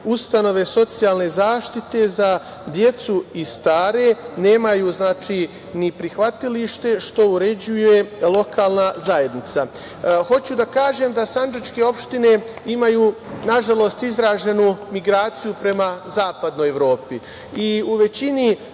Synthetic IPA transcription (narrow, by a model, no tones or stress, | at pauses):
ust̪ano̞ʋe̞so̞t̪sijaːlne̞zaːʃt̪it̪e̞za | d̪je̞t̪suist̪aːɾe̞ne̞ːmajuːznaːt͡ʃiː | nipɾixʋat̪iliʃt̪e̞ʃt̪o̞uɾe̞d͡ʑuje̞lˠo̞kaːlˠnazaje̞d̪nit̪sa | xo̞t͡ɕud̪akaːʒe̞md̪asand͡ʒat͡ʃke̞o̞pʃt̪ine̞imajuː | naʒalˠo̞st̪izɾaːʒe̞numiɡɾaːt̪sijupɾe̞mazaːpad̪no̞jeʋɾo̞ːpi | iuʋe̞t͡ɕini